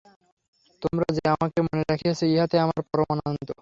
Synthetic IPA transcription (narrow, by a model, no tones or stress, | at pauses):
t̪omɾad͡ʑeamakemoneɾakʰiat͡ɕʰeeɦat̪eamaɾpɔɾomanant̪o